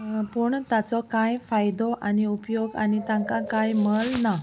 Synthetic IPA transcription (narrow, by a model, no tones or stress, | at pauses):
pəɳt̪at͡sɔkajfajd̪ɔʔaniupjoɡa̰nit̪ãŋkakajməlna